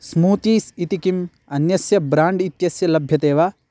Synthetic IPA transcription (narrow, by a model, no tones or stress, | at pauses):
smuːt̪iːsit̪ikim | ɐnjɐsjɐbɾaːɳɖit̪jɐsjɐlɐbʱjɐt̪eːʋa